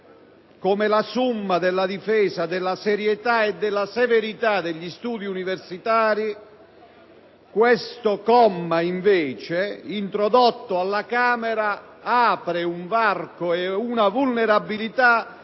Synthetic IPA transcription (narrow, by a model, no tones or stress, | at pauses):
komɪlasumːad̪ɪlːad̪ifɛːsad̪ɪlːasɛɾjɛt̪aɛd̪ːɪlːasɛveɾit̪ad̪eʎːist̪uːd̪iuniversit̪aːɾi | kwest̪okɔmːaiɱvɛːt͡ʃɪint̪ɾɔd̪ɔt̪ːoalːakaːmɛɾa | aːpɾɪuɱvarkoɛunavulnɛɾabːilit̪a